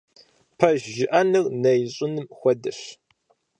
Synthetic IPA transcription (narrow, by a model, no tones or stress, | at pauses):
pʰɐʒʒɪʔɐnɨrnɐjɕʼʊnɨmxʷɔdɐɕ